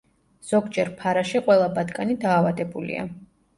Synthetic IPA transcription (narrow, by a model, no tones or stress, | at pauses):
z̥ɔɡd͡ʒɛɾpʰaɾaʃiqʼwɛlˠabad̪ɡʼanid̪aːvad̪ɛbulḭa̰